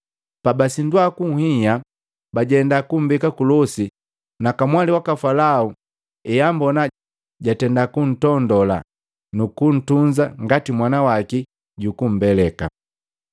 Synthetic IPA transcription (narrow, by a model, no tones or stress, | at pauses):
pabasindwakuŋ̩hija | baɟɛndakum̩bikakulɔsi | nakamwaliwakafalau | ɛjambɔna | ɟatɛndakun̩tɔndɔla̰ | nukun̩tund͡ʒaŋɡatimwanawaki | ɟukum̩bɛlɛka̰